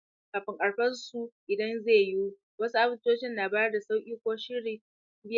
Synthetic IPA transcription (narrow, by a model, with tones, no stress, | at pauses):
kaː˨ɸɪ˦ŋkʼɐ˨ɽɸɐ˦rsu˦˨ʔɪ˨dɐ˦nzeː˦˨ju˦ | wɐ˦su˦ʔa˦bʊ˦toː˦ʃɪ˦nːaː˨baː˦jɐ˦da˨sa˦wkʲʼiː˦kʷoː˦ʃɪ˦ɽiː˨˦ | bɪ˦j